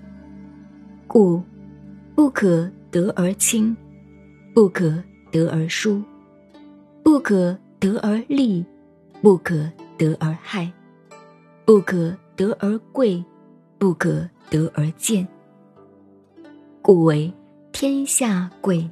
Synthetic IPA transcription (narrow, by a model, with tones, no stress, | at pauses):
ku˨˩ | pu˥˩kʰɤ˨˩t̪ɤ˧˥ʔə˞˧˥t͡ɕʰi˥ŋ | pu˥˩kʰɤ˨˩ | t̪ɤ˧˥ʔə˞˧˥ʂu˥ | pu˥˩kʰɤ˨˩t̪ɤ˧˥ʔə˧˥li˥˧ | pu˥˩kʰɤ˨˩t̪ɤ˧˥ʔə˞˧˥xa˥˩ɪ | pu˥˩kʰɤ˨˩t̪ɤ˧˥ʔə˞˧˥kwe˥˩ɪ | pu˥˩kʰɤ˨˩t̪ɤ˧˥ʔə˞˧˥t͡ɕjɛ˥˩n | ku˨˩we˧˥ɪ | t̪ʰjɛ˥nɕja˥˩kwe˥˩ɪ